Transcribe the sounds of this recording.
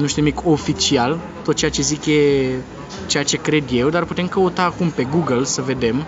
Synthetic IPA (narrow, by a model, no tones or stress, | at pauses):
nuʃt̪unimikʰo̞fit͡ʃial | t̪ot̪̚t͡ʃeat͡ʃe̞zikje̞ | t͡ʃe̞jat͡ʃe̞kɾe̞d̪je̞wd̪arput̪e̞mkəut̪aːkumpe̞ɡuɡəlsəve̞d̪e̞m